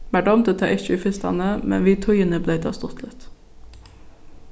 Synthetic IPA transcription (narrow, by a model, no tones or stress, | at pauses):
mæɖɔmd̪ət̪ʰɑ̰ːʔɪçəiːfɪst̪ɑ̰nəmɛ̰nʋiːt̪ʰʊʏənəbleɪd̪ʰɑ̰ːst̪ɔt̪ʰlət̪